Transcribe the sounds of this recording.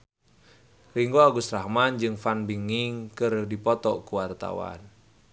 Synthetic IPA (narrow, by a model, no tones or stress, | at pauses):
riŋɡoaɡusɾahmand͡ʒɨŋfanbiŋɪŋkɨrdipɔt̪ɔkuwart̪a̰wa̰n